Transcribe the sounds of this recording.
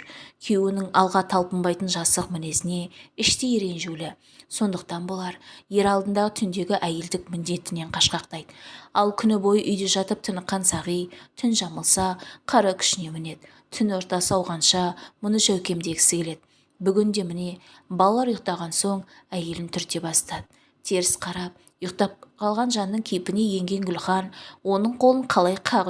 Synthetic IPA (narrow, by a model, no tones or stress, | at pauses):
kʲʰewɪnɪŋɑlˠʁɑt̪ʰɑlˠpəmbɑjt̪ənʒɑsəqmɪne̞sɪne̞ɪʃt̪ejeɾe̞nʒulɪ | so̞nd̪əq̚t̪ɑnbolˠɑɾje̞ɾɑlˠd̪ənd̪ɑʁət̪ʰʏnd̪e̞ɡʲɪʔæje̞ld̪ɪk̚mʏnd̪e̞t̪ɪne̞ɴqʰɑʃqɑqt̪ɑjd̪əɑlˠkʲʰʏnɪbo̞jəʔʏjd̪eʒɑt̪əp̚t̪ʰənəqːɑnsɑʁəjt̪ʰʏnʒɑməlˠsɑqʰɑɾɑkʲʰʏ̥ʃɪne̞mɪne̞d̪ | t̪ʰʏnwo̞ɾt̪ɑsəɑwʁɑnʃɑmʊnəʃæwkʲe̞md̪e̞kʲʰɪ̥sɪkʰʲe̞le̞d̪̥ɪ | bʏɡʲɪnd̪e̞mɪne̞ | bɑlˠɑlˠɑɾjʊq̚t̪ɑʁɑnso̞ɴæje̞lɪnt̪ʰʏɾt̪e̞bɑst̪ɑd̪ə | t̪ʰe̞ɾɪsqʰɑɾɑp̚ | jəqt̪ɑp̚qʰɑlˠʁɑnʒɑnːəŋkʲʰejpɪne̞je̞ŋɡʲe̞ŋɡʲʏlχɑnwo̞nəɴqʰo̞lˠəɴqʰɑlˠɑjqʰɑʁ